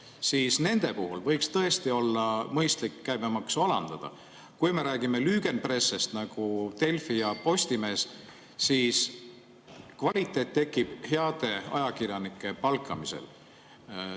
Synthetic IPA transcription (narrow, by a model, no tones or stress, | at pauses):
siːsne̞nd̪̥e̞puɦulvɤ̞jkst̪ɤe̞st̪io̞lːɑmɤjst̪likːæjbemɑksɑlɑ̰nd̪̥ɑd̪̥ɑ̰ | kujme̞ɾæːɡ̥ime̞lyːɡ̥e̞npre̞sːest̪nɑɡ̥ut̪e̞lfijɑpo̞st̪ime̞ːs | siːs | kvɑlʲit̪ːˑe̞ːt̪ːe̞kːˑib̥heɑd̪̥e̞ɑ̰jɑkirjɑnikːˑe̞pɑlkˑːɑmise̞̰l